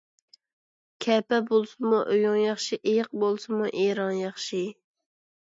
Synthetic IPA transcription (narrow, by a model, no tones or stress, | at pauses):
kʲʰɛpɛbolˠsɨmuʔøjoŋjɑχʃiʔejɪq̚bolˠsɨmuʔeɾɑŋjɑχʃi